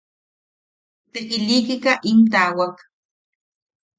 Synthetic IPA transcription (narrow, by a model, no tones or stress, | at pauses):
t̪ekɪʎiːkɪkaʔɪnt̪awak